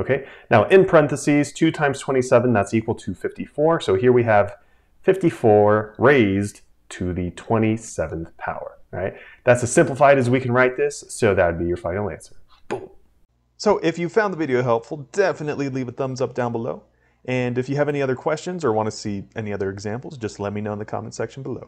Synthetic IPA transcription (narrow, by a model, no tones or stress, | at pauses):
oʊkʰeɪnaʊʔɨ̃npʰɹ̥ɛ̃nθɨsiz̥tʰʉtʰãɪ̃m̥tʰw̥ɛ̃ɾ̃isɛvə̃n̩ðætsikwl̩ˠtʰɨfɪftifɔɹsoʊɦiɹwiɨv̥ | fɪftifɔɹɹeɪz | tʰɨðɨtʰw̥ɛ̃ɾ̃isɛvɨ̃n̩θpʰa̰ʊə̰˞ɹa̰ɪt̚ | ðætsɨ̥sɪ̃mpləfaɪɾɨzwikʰɨ̃nɹaɪt̪̚ðɪsːoʊðɨt̚wəd̚bijə˞fãɪɾɪ̃ŋlæ̰̃nsə˞ | b̥um | soʊʔɪfjɨ̥fãʊ̃nðəvɪɾioʊɦɛlˠpfl̩ˠd̥ɛfɨnɨʔˡlilivɨθʌ̃mzʌp̚d̥ãʊ̃nbəloʊ | ʔɨ̃nɨfjɨːvɛniʌðə˞kʰw̥ɛst͡ʃɨ̃nzə˞wɑ̃ñɨsiʔɛniʌðə˞ɨɡzæ̃mpl̩ˠzd͡ʒʌstˡlɛt̚minoʊ̃nðɨkʰɑ̰mə̃nsɛkʃn̩bəlo̰ʊ